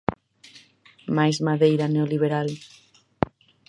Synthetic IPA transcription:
majzmaðejɾaneoliβ̞eɾal

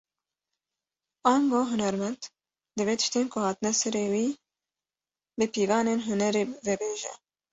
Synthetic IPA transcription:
ɑːŋɡoːɦʊnɛɾmɛnd̪ | d̪ɨveːt̪ʰɨ̥ʃt̪eːnkʰʊhɑːt̪ɨnɛsɛɾeːwiː | bɨpiːvɑːneːnɦʊnɛɾeːvɛbeːʒɛ̰

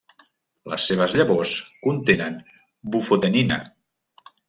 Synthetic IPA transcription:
lə̰sːeβ̞əzʎəβoskunt̪enən | bufot̪eninə̰

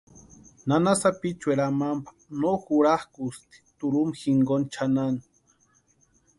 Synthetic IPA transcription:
nanasapit͡ʃweɾamampḁnoxuɾahkust̪i̥t̪uɾumxiŋɡont͡ʃʰanan

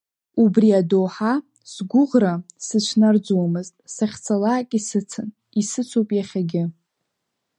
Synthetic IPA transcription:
ubriadoːħa | sɡʷʊʁrasɨt͡ʃʷʰnard͡zwamɨztʼsaχʲt͡sʰalaːkʲʼisɨt͡sʰan | isɨt͡sʰowpʼjaχʲaɡʲɪ

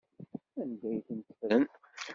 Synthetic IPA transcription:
ænd̪ːæjθnt̪ə̥fɾən

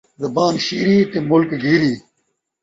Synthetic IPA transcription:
zɐbaːnɕiːɾiːt̪emʊlkɡiːɾiː

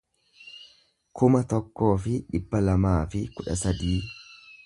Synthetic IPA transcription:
kʰʊmɐt̪ɔkːo̞ːfɪᶑɪbːɐlɐmaːfɪkʊᶑɐ̰sɐd̪iː

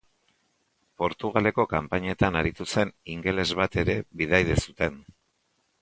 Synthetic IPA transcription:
po̞ɾt̪uɣ̞ale̞ko̞kampaɲe̞t̪anaɾit̪use̞niŋɡe̞le̞zβat̪e̞ɾe̞βið̞ajðe̞sut̪e̞n

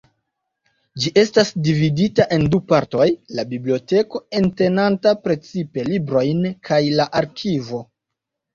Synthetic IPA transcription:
d͡ʒiʔe̞stasdividitaʔe̞ndupaɾto̞jlabiblio̞te̞ko̞e̞nte̞nantapɾe̞t͡sipe̞libɾo̞jnkʰajlaʔaɾkʰivo̞

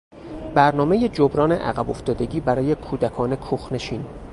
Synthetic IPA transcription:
bæɾnɒːme̞jed͡ʒobɾɒːnḛʔæ̰ɣæbo̞ft̪ɒːd̪e̞ɟiːbæɾɒːje̞kʰuːd̪ækʰɒːne̞kʰuxne̞ʃiːn

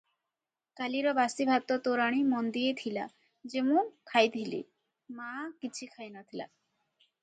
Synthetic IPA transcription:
kaliɾɔbasibʱat̪ɔt̪oɾaɽ̃imɔnd̪ijet̪ʰila̰ | d͡ʒemũkʰajt̪ʰilḭ | makit͡ʃʰikʰajnat̪ʰila̰

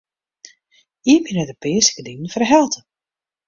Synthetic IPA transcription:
iəbinədəpɪːəsə̥kədiŋən̩fərɦɛlˠtʰə

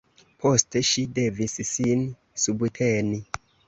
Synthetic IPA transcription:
pʰo̞ste̞ʃide̞vissin | subtʰeni

